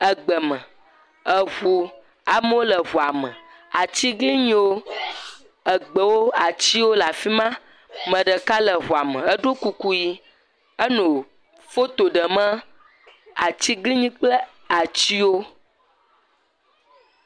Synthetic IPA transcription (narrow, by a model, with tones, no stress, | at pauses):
ə˨ɡ͡bə˨mə̃˨ | ə˨ɣo˨ | a˨mə˦wo˦lə˨ɦo˨a˨mə̃˨ | a˨t͡ɕi˦ɡli˦ɲĩ˦wo˦ | ə˨ɡ͡bə˨wo˦a˨t͡ɕi˦wo˦la˨fi˦mã˦ | mə̃˨ɖə˨ka˦lə˨ɦo˨a˨mə̰̃˨ə˦ɖo˦ku˦ku˦ji˦ | ə˦nõ˨ | fo˦t̪o˨ɖə˨mə̃˦ | a˨t͡ɕi˦ɡli˦ɲĩ˦k͡plə˦ | a˨t͡ɕi˦wo˦